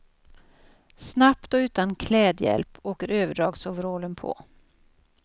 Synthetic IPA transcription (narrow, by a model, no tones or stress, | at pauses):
snapt̪ɔʉ̟ːt̪ankʰlɛːd̪jɛ̰lpoːkəɾøːvəɖɾɑːɡsɔvɾoːlənpʰɔ̰